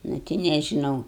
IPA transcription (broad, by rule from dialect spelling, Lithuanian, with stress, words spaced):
nʊ ˈtʲɪ nʲɛʒʲɪˈnɐʊ